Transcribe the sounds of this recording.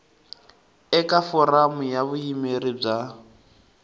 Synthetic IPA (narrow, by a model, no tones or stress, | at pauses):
ɛkʼafɔramʊjaβʊimerib͡ʐa